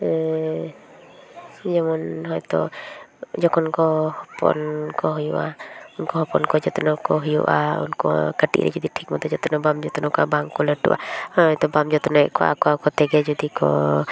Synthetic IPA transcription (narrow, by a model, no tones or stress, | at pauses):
ɛ | d͡ʒɛmɔnɦɔjt̪ɔ̰ | d͡ʒɔkʰɔnkɔhɔpɔ̰nkɔɦujuʔaunkɔɦɔpɔnkɔd͡ʒɔt̪ɔnɔkɔɦujṵʔa̰ṵnkɔ̰kəʈḭʔɾɛ̰d͡ʒɔd̪iʈʰikmɔt̪ɔd͡ʒɔt̪ɔnɔbamd͡ʒɔt̪ɔnɔkabaŋkɔləʈṵʔa̰ɔjt̪ɔbamd͡ʒɔt̪ɔnɔɛʔkɔʔa̰kɔakɔt̪ɛɡɛd͡ʒɔd̪ikɔ̰